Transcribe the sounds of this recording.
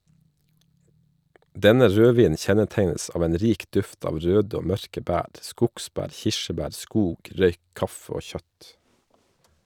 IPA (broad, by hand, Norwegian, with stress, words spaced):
ˈdɛnə ˈɾøːˌʋiːnn̩ ˈçɛnəˌteɪnəs ˈɑːʋ ˈeːn ˈɾiːk ˈdʉft ˈɑːʋ ˈɾøːd ˈoː ˈmœɾkə ˈbæːɾ ˈskʊkˌsbæːɾ ˈçɪʃəˌbæːɾ ˈskuːɡ ˈɾœʏ ˈkɑfə ˈoː ˈçœt